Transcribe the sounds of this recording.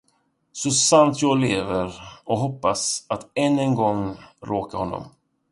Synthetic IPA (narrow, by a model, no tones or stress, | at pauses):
sɔsant̪ʰjɑːɡleːvəɾɔɦɔpːasat̪ɛnːɛnɡɔŋɾoːkaɾhɔnːɔ̰m